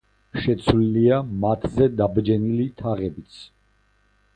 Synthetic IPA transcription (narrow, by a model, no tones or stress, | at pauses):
ʃɛt̪sʰwliliamat̪ʰzɛd̪abd͡ʒɛnilit̪ʰaʁɛbit̪sʰ